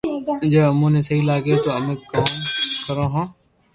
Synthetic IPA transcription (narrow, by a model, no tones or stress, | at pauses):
d͡ʒəːəmũːnẽːsəɦiːlaːɡjeːt̪oːənə̃kãːkəɾãːɦãː